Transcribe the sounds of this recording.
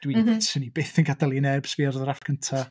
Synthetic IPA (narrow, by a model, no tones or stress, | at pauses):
d̥wiðsənibeːθənɡadəlˠinɛbsviɔrðɔɾafkʰəntʰa